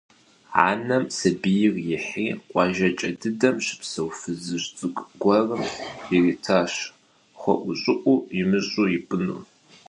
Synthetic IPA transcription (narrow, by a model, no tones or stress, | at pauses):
a̰ːnɐmsɐbijɪrjɪħiːqʷʼɑʒɐt͡ʃʼɐdɨdɐmɕɪ̥psɐwfɨzɨɕt͡sʼɨkʼɡʷɐrɨmɪritʰaːɕ | χʷɔ̰ʔʷʊɕʼɨʔʷʼujɪmɨɕʼuːjɪbɨnṵː